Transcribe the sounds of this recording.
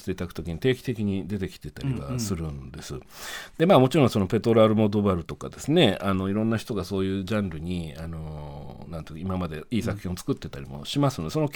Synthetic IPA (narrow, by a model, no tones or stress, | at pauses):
t̪eit̪akɯ̟t̪o̞kʲiɲ̟it̪e̞ːkʲi̥t̪e̞kʲiɲ̟id̪e̞t̪e̞kʲi̥t̪e̞t̪aɾiɡasɨɾɯ̟nd̪e̞sɨ | d̪̥e̞maːmo̞t͡ɕiɾõɰ̃so̞nope̞t̪o̞ɾaɾɯ̟mo̞d̪o̞baɾɯ̟t̪o̞kad̪e̞sɨne̞ano̞iɾõ̞nːaçi̥t̪o̞ɡaso̞ːjɯ̟ːʑãnɾɯ̟ɲ̟iano̞nãnt̪ekːaimamad̪e̞iːsakɯ̟̥çʲĩot͡sɨ̥kɯ̟t̪ːe̞t̪aɾʲimo̞̰ɕimasɨno̞d̪eso̞no̞k